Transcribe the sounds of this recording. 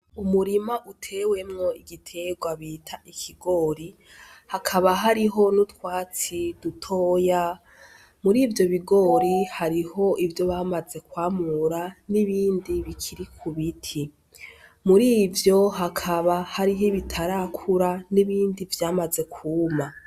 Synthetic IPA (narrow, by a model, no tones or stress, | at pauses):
umuɾimaʔutʰe̞we̞mŋo̞iɡitʰe̞ɡwaβiːtʰaʔikʰiɡo̞ːɾi | hakʰaβaɦaɾiɦo̞nutwaːt͡sid̥utʰo̞ːja | muɾiːvjo̞βiɡo̞ɾihaɾiho̞ʔivjo̞βaːmaze̞kwaːmuɾaniβiːndiβikʰiɾikʰuβitʰi | muɾiːvjo̞ɦakʰaβahaɾiɦiβitʰaɾakʰuɾaniβiːndivjaːmaze̞kʰuma